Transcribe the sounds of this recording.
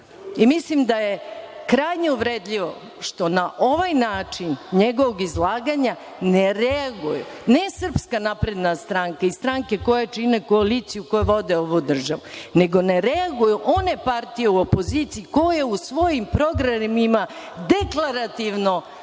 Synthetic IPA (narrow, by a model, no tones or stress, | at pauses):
imislimd̪ajekɾajɲeuʋɾed̪ʎʲiʋo̰ | ʃt̪o̞naʔo̞ʋajnaːt͡ʂinɲeɡo̞ʋoɡizlˠaːɡaɲa | neɾɛaɡujṵ | nesr̩pskanapɾe̞d̪nast̪ɾaŋkaist̪ɾaŋke̞ko̞jat͡ʃinekoalit̪sijukojeʋo̞d̪eoʋud̪r̩ʒaʋune̞ɡo̞ne̞ɾɛaɡujuʔo̞ne̞paɾt̪ije̞uo̞po̞ziːt̪siiko̞jeusʋo̞jimpɾo̞ɡɾamima | d̪e̞klˠaɾat̪iʋno̞